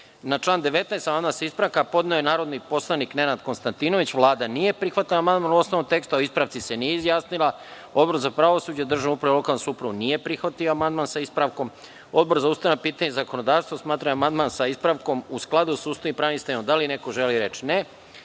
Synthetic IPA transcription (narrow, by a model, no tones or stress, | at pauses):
nat͡ʃlˠaːnd̪e̞ʋe̞t̪naest̪amand̪mansispɾaʋkapo̞d̪neojenaːɾo̞d̪nipo̞slˠanikne̞nad̪ko̞nst̪ant̪ino̞ʋit͡ɕʋlˠaːd̪anije̞pɾixʋat̪aamand̪maːnuo̞snoʋomt̪e̞kst̪uaoispɾaʋt̪sisenijeizjaːsnilˠa | o̞d̪bo̞ɾzapɾaʋosuːd͡ʑed̪r̩ʒanupɾaʋelo̞kalˠnosupɾuʋunije̞pɾixʋat̪ioamand̪maːnsaispɾaʋko̞m | o̞d̪̚bo̞ɾzauːst̪ajnapiːt̪aɲezakonod̪aːʋst̪ʋosmaːt̪ɾaeamand̪mansaispɾaʋko̞musklˠad̪usust̪oimpɾanist̪ajnomd̪aline̞ko̞ʒeliɾe̞t͡ʃne